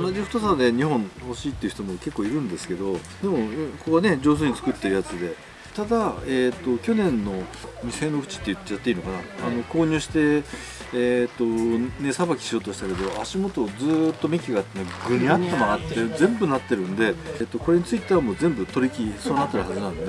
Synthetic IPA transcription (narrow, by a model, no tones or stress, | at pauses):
onaʑiɸɯ̥t̪osad̪e̞ɲ̟iɦõ̞ɴho̞ɕiːt̪ːe̞iɯ̟ç̥t̪omo̞ke̞kːo̞ːiɾɯ̟̃nd̪e̞sɨ̥ke̞d̪o̞ | d̪e̞mo̞kokɡane̞d͡ʑo̞ːs̬oːɲ̟it͡sɨ̥kɯ̟t̪ːe̞ɾ̟jat͡sɨd̪e̞ | t̪ad̪aet̪ːo̞kʲo̞nẽ̞nːo̞mʲise̞no̞kɯ̟̥t͡ɕi̥t̪ːe̞jɯ̟t̪ːat̪ːeiːno̞kanaano̞ko̞ːɲ̟ɨːɕi̥t̪e̞ | et̪ːo̞nesabakʲi̥ɕio̞ːt̪o̞ɕi̥t̪ake̞d̪o̞aɕimo̞t̪o̞d͡zɨt̪ːo̞mʲikʲiɡat̪ːenoɡɯ̟ɲʲiat̪ːemaat̪ːezẽ̞mbɯ̟nat̪ːe̞ɾɯ̟̃nd̪e̞t̪ːo̞ko̞ɾe̞ɲ̟it͡sɨit̪e̞βamo̞ːzẽ̞mbɯ̟t̪o̞ɾʲikʲisoːnat̪ːe̞ɾɯ̟hazɨnãñd̪e